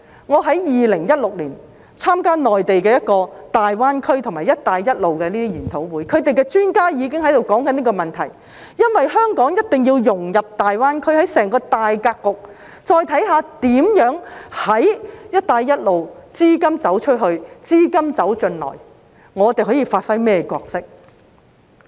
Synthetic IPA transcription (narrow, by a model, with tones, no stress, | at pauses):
ŋɔː˨˧ɦɐ˨˥jjiː˨lɪ˨˩ŋjɐ˥t̚lʊ˨k̚liː˨˩n | t͡sʰaː˥mkaː˥nɔː˨jt̪e˨jkɛː˧jɐ˥t̚kɔː˧t̪aː˨jwaː˥nkʰɵ˥ɥt̪ʰʊ˨˩ŋmaː˨˩jɐ˥t̚t̪aː˧jːɐ˥t̚lo˨wkɛː˧liː˥t̪ʰi˥jyː˨˩nt̪ʰo˨˥wwuː˨˥jkʰɵ˨˧ɥt̪e˨jkɛː˧t͡ʃyː˥nkaː˥jiː˨˧kɪ˥ŋɦɐ˨˥jt̪o˨wkɔː˨˥ŋkɐ˨˦niː˥kɔː˧mɐ˨nt̪ʰɐ̰˨˩j | jɐ˥nwɐ˨jɦœː˥ŋkɔː˨˥ŋjɐ˥t̚t̪ɪ˨ŋjiː˧wjʊ˨˩ŋjɐ˨p̚t̪aː˨jwaː˥nkʰɵ˥ɥhɐ˨˥jsɛː˨˩ŋkɔː˧t̪aː˨jkaː˧kːʊ˨k̚ | t͡ʃɔː˧jt̪ʰɐ˨˥jɦaː˨˧t̪iː˨˥mjœː˨˥ŋhɐ˨˥jjɐ˥t̚t̪aː˧jːɐ˥t̚lo˨wt͡siː˥kɐ˥mt͡sɐ˨˥wt͡ʃʰɵ˥t̚ɦɵ˧ɥt͡siː˥kɐ˥mt͡sɐ˨˥wt͡ʃɵ˧nlɔ̰ː˨˩j | ŋɔː˨˧t̪e˨˩jɦɔː˨˥jiː˧faː˧t̚fɐ˥jmɛː˥kʷɔː˧k̚sɪ˥k̚